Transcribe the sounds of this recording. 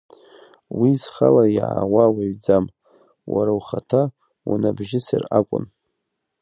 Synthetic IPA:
wizχalajaːʁʷwʷawaɥd͡zam | wa̰ɾawχatʰa | unabʒɪsa̰rakʷʼʊ̰n

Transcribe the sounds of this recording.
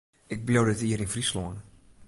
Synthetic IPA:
ɪk̚blowdətiəɾinfrisloən

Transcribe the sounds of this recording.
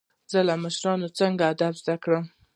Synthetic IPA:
zəlamaʃɾɑnot͡səŋɡaːd̪apzd̪akɽəm

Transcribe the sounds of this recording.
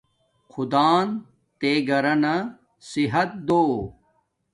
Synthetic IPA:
kʰud̪aːn | t̪eːɡɐɾɐnɐ | siɦɐt̪̚d̪oː

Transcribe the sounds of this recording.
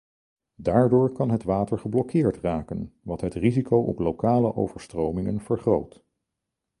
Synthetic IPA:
daːɹdʊːɹkɑnɦətʋaːtəɹχəblɔkɪːɹtraːkənʋɑtɦətrizikowʔɔ̰plowkaːləʔo̰wvəɹstrowmɪŋənv̥əɹχrowt

